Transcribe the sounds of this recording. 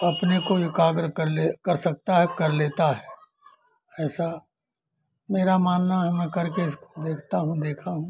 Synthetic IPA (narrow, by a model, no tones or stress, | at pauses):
ɐpnekoɪkaːɡɾkɐɾlekɐɾsɐk̚t̪aɦɛkɐɾleːt̪aɦɛː | ɛːsa | meːɾamaːnːaɦɛmɛ̃kɐɾkeɪskod̪eːkʰt̪aɦũd̪eːkʰaɦũː